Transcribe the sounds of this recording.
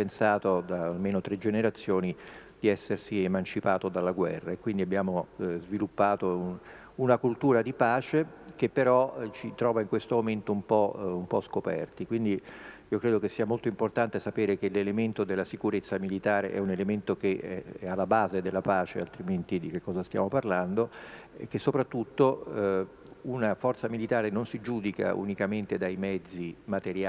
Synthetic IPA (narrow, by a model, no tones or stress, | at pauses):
ensaːt̪od̪aːlmeːnot̪ɾed͡ʒeneɾat̪sːjoːnid̪̥iɛsːersiemant͡ʃipaːt̪od̪alːaɡwɛrːaekːwind̪iabːjaːmozvilupːaːt̪o | unakult̪uːɾad̪ipaːt͡ʃekepːeɾɔt͡ʃit̪ɾɔːvaiŋkwest̪omoment̪oumpɔumpɔskopɛ̰rt̪ikwind̪iiːokɾeːd̪okesːiːamolt̪oimport̪ant̪esapeːɾekelelement̪od̪elːasikuɾet̪sːamilit̪aːɾḛʔɛunelement̪okeɛɛalːabaːzed̪elːapaːt͡ʃea̰lt̪ɾiment̪id̪ikekːɔːzast̪ja̰ːmoparland̪o | ekːesːopɾat̪ːut̪ːo | unafɔrt̪samilit̪aːɾenonsid͡ʒuːd̪ika̰ṵnikament̪ed̪ajmɛd̪zːimat̪eɾja